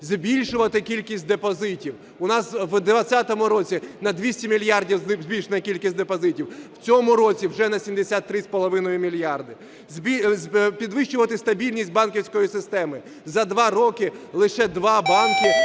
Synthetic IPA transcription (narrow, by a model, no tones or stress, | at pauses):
zʲbʲilʲʃʊʋɐt̪ɪkʲilʲkʲisʲt̚ʲd̪epɔzɪtʲiw | ʊnɑswd̪ʋɐt͡sʲːat̪ɔmʊɾɔt͡sʲinɐd̪ʋʲisʲtʲimʲilʲjɑrdʲiwzzʲbʲilʲʃenɐkʲilʲkʲisʲtʲd̪epɔzɪtʲiwwt͡sʲɔmʊɾɔt͡sʲiwʒɛnɐsʲimd̪esʲat̪ːɾɪspɔlˠɔʋɪnɔjʊmʲilʲjɑrd̪ɪ | zʲbʲipʲid̪ʋɪʃt͡ʃʊʋɐt̪ɪst̪ɐbʲilʲnʲisʲt̚ʲbɑnkʲiwsʲkɔjisɪst̪ɛmɪ | zɐd̪ʋɑɾɔkɪlˠɪʃɛd̪ʋɑbɑnkɪ